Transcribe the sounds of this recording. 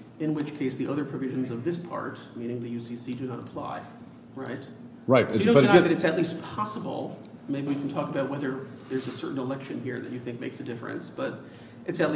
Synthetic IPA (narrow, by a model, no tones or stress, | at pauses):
ɨ̃nwɨt͡ʃkʰeɪsðiʔʌðə˞pʰɹ̥ɨvɪʒɨ̃n̩zʌvðɪspʰɑ̰ɹt̚mĩɾ̃ɪ̃ŋðɨjʉsisidɨnəɾəpʰl̥a̰ɪ | ɹaɪt̚ | ɹaɪtɨdõʊ̃aðɨɾɨtsɨtˡlist̚pʰɑsəbl̩ˠmeɪbiwɨkʰn̩tʰɔkəbaʊt̚wɛðə˞ðə˞zɨsɜ̰˞ʔn̩əlɛkʃɨ̃nɦiɹðɨ̰t͡ʃɨθɪ̃ŋk̚meɪksɨdɪfɹɨ̰̃nsb̥ʌɾ | ʔɨtsɨtˡli